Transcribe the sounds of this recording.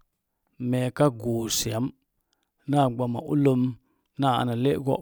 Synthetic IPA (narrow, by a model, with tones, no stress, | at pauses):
me˨ka˦ɡo˨si˨a˨˦m | na˦˨ɡ͡ba˨ma̰˨ʔṵ˦lə˦m | na˦˨a̰˨na˨le˦ʔɡo̰˦˨